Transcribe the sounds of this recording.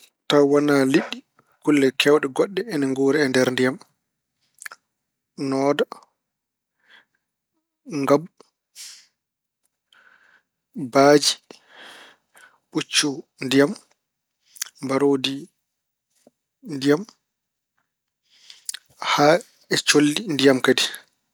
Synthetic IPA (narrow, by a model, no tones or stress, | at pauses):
tawanaliɗːi | kulːɛkɛwɗɛɡɔɗːɛɛnaŋɡoːɾɛɛndɛɾndijam | nɔːda | ŋɡab | baːd͡ʒi | ɓut͡ʃːundijam | baɾoːdi | ndijam | ha | ɛt͡ʃolːindijamkadi